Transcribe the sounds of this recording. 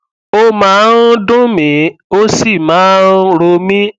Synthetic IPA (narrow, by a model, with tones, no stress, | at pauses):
o˦mãː˨˦n̩˦dũ˦mĩ˨˦o˦si˦˨mãː˨˦n̩˦ɾo˧mĩ˦